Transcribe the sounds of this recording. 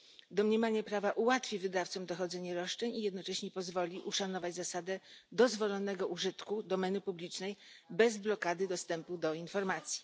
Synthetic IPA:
d̪ɔmɲɛmaɲapɾavaʔuwat̪fʲivɘd̪aft̪sɔmd̪ɔxɔd̪zɛɲɛɾɔʂt͡ʂɛɲijɛd̪nɔt͡ʂɛɕɲɛpɔzvɔlʲiʔuʂanɔvad͡ʑzasad̪ɛd̪ɔzvɔlɔnɛɡɔʔuʐɘt̪kud̪ɔmɛnɘpublʲit͡ʂnɛjbɛzblɔkad̪ɘd̪ɔst̪ɛmpud̪ɔinfɔɾmat̪sʲji̥

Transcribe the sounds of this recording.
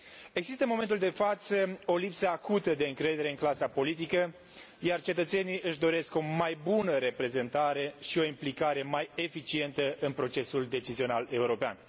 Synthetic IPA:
e̞ɡzist̪əmo̞me̞nt̪uld̪e̞fat̪səo̞lipsəakut̪əd̪e̞ɨŋkɾe̞d̪e̞ɾe̞ɨŋklasapo̞lit̪̬ikə | jart͡ʃe̞t̪ət̪se̞nijɨʃd̪o̞ɾe̞sko̞majbunəɾe̞pɾe̞ze̞nt̪aɾe̞ʃio̞implikaɾe̞maje̞fit͡ʃie̞nt̪əɨnpɾo̞t͡ʃe̞suld̪e̞t͡ʃizio̞nale̞uɾo̞pea̰n

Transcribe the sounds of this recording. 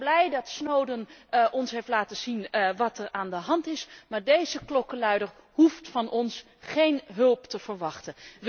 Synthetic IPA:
blɛjdɑtsnowdənʔɔnsɦejftlaːtəz̥inʋɑtəɹaːndəɦɑntɪsmaːɹdejzəklɔkəlœɥdər | ɦuftfɑnʔɔns | χejnɦɵlˠptəv̥əɹʋɑχtəʋ

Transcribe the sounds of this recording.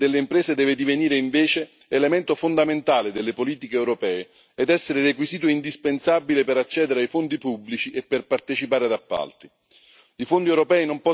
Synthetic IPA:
d̪elːeimpɾɛːsed̪ɛːved̪iveniːɾeiɱveːt͡ʃeː | lemɛnt̪ofond̪ament̪aːlɪd̪elːepoliːt̪ikeːwɾopɛːe | ɛd̪ɛsːeɾɪɾekwiziːt̪̬oind̪ispensabilepeɾat͡ʃːɛːd̪eɾeajfond̪ipubːlit͡ʃiʔepːerpart̪et͡ʃipaːɾɪad̪apːa̰lt̪i | ifond̪iɛwɾopɛːinompɔ

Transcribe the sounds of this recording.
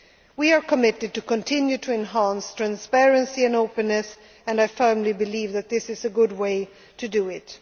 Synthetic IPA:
wiə˞kʰəmɪɾɨd̚tɨkʰə̃ntʰɪ̃njʉɾʰɨɨ̃nɦæ̃nstʰɹ̥æ̃nspɛɹɨ̃nsiɨ̃noʊpɨ̃nːɨs | ɨ̃naɪfɜ˞mlibɨlivðɨt̪̚ðɪsɨzɨɡʊd̚weɪ | tʰɨdɨɪt

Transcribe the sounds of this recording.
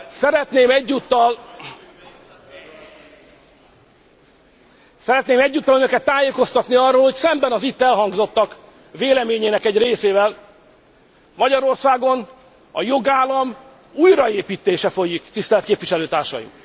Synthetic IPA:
sɛɾɛt̪neːmɛɟːut̪ːɒl | sɛɾɛt̪neːmɛɟːuːt̪ːɒlønø̞kɛt̪ːaːjeːko̞st̪ɒt̪niɒrːoːlho̞csɛmbɛnɒzit̪ːɛlɦɒŋɡzo̞t̪ːɒk | veːlɛmeːɲeːnɛkɛɟreːseːvɛl | mɒɟɒɾo̞rsaːɡo̞n | ɒ̰jo̞ɡaːlɒm | uːjrɒeːpiːt̪eːʃɛfo̞jikt̪ist̪ɛlɛt̪keːpviʃɛløːt̪aːrʃɒ̰jḭm

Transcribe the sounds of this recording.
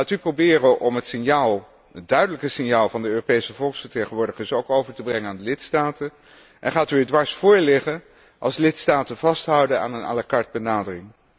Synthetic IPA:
aːtyprowbɪːrəʔɔmɦətsɪnjaːlˠ | ədœɥdələkəsɪnjaːlˠvɑndəøːropejsəvɔlˠksfəɹtejχənʋʊːɹdəχəsowkowvəɹtəbrɛŋənaːndəlɪtstaːtən | ʔɛnχaːtyɛdʋɑɹsfʊːɹlɪχən | ʔɑ̰lˠslɪtstaːtənvɑstɦʌwdəna̰ːnəna̰ːlakɑɹd̚bənaːdərɪŋ

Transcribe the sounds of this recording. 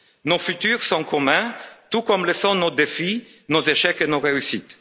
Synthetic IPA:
nofyt̪yːʁsɔ̃kɔmɛ̃t̪ukɔmləsɔ̃nod̪efi | nozeʃɛkenoʁeysit̪

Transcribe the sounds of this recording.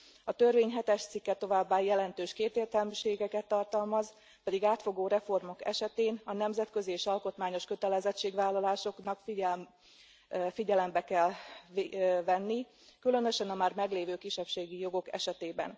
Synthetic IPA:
ɒt̪ø̞rveːɲɦɛt̪ɛʃt̪sikːɛt̪o̞vaːbːaːjɛlɛnt̪øːʃkeːt̪eːrt̪ɛlmiʃeːɡɛkɛt̪ːɒrt̪ɒlmɒz | pɛd̪iɡaːt̪fo̞ɡoːɾɛfo̞rmo̞kɛʃɛt̪eːnɒnɛmzɛt̪kø̞zieːʃɒlko̞t̪maːɲo̞ʃkø̞t̪ɛlɛzɛt͡ʃːeːɡvaːlːɒlaːʃo̞knɒkfi | fiɟɛlɛmbɛkɛl | vɛnːi | kylø̞nø̞ʃɛnɒmaːrmɛɡleːvøːkiʃːɛpʃeːɡijo̞ɡo̞kɛ̰ʃɛt̪eːbɛ̰n

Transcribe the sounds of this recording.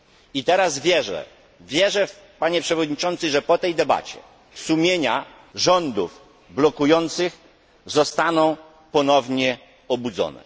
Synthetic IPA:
it̪ɛɾazvʲjɛʐɛ̰ | vʲjɛʐɛf | paɲɛpʂɛvɔd̪ɲit͡ʂɔnt̪sɘʐɛpɔt̪ɛjd̪ɛba̰t͡ɕɛ̰ | sumʲjeɲa | ʐɔnd̪uv | blɔkujɔnt̪sɘx | zɔst̪anɔ̃w̃ | pɔnɔvɲɛ | ɔbud̪zɔ̰nɛ̰

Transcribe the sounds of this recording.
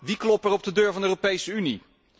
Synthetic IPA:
ʋiklɔpɛɹɔb̚dədøːɹvɑndəøːropejsəynḭ

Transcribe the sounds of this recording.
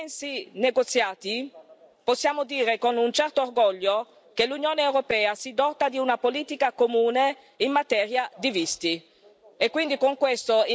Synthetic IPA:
nsineɡot̪sjaːt̪i | posːjaːmod̪iːɾekonunt͡ʃɛrt̪oːrɡɔʎːo | kelunjoːneewɾopɛːasid̪ɔt̪ːad̪iunapoliːt̪ikakomuːne | inːat̪ɛːɾjad̪ivist̪i | ekːwind̪ikoŋkwest̪oi

